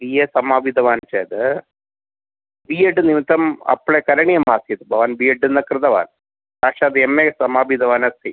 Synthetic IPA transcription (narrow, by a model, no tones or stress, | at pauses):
bijeːsɐmaːbʱid̪ɐʋaːnt͡ʃɐːd̪ɐ | biːeɖɨnimt̪ɐmɐ̰pɭekɐɾɐɳijɐmaːsjit̪bʱɐʋaːnbijeɖɨnd̪ɐkɾɨɪd̪ɐʋa̰ːn | paːkʂaːd̪emesɐmaːbid̪ɐʋaːnɐst̪ʰi